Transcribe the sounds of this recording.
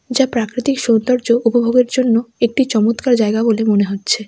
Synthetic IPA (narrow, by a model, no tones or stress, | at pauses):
d͡ʑapɾakɾit̪ikʃond̪aɾd͡ʑoʔupobʱoɡeɾd͡ʑonːoek̚ʈit͡ɕɔmot̪kaɾd͡ʑaeɡabolemoneɦotːɕʰe